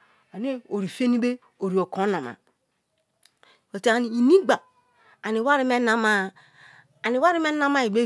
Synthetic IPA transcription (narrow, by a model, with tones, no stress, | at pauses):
a˨ne˦o˨ɾi˨fe˦ni˦be˦ | o˨ɾi˨o˨ko˨˦na˨ma̰˨ | o˨te˨a˨ni˨i˨ni˦ɡ͡ba˨ | a˨ni˨wa˦ɾi˦me˦na˦ma˦˨ | a˨ni˨wa˦ɾi˦me˦na˦ma˦i˨ɡ͡be˦